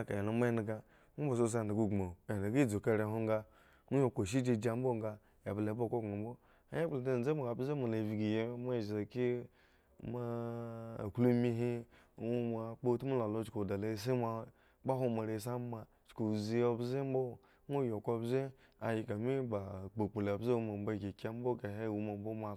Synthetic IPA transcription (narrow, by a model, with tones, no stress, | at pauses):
a˨ka̰˨ja˨na˨m˦a˦na˨ɡa˦ | mu˦bo˨s̬o˦˨s̬a˦˨da˨ɡu˦ɡma˨e˨a˨ɡi˦d͡zo˨ka˦˨ɾe˨˦ɦo˦ŋɡa˦ | mʷu˦jo˦˨kʷo˨ʃ̬i˦d͡ʒe˦d͡ʒa˦m̩˦bo˦˨ŋɡa˦ | e˨ble˨˦bo˦˨ko˦ɡa˨˦bo˦ | a˦je˦˨la˨da˦˨˦d͡ze˦ma˨a˨bze˦ma˨la˨vi˨ɡi˨je˦ma˦˨ʒa˨ki˦ | ma̰˦˨ | klu˦mi˦ɦi˦˨ | wu˦ma˨k͡po˦tmu˦la˨lo˦t͡ʃko˨da˨la˦s̬e˦ma˨ | k͡pa˦ɦo˦ma˨ɾe˨˦s̬a˦ma˨ | t͡ʃko˨zi˦o˦bze˦m̩˦bo˦˨ | mo˦jo˨ko˦bze˦ | a̰˨ji˨ka˨mi˦ba˨k͡po˨k͡pu˨la˨bze˦wu˦ma˨m˦ba˦˨ɡʲi˨kʲa˦m˦bo˦ka˨ɦe˦˨wu˦ma˨m˦bo˦ma˨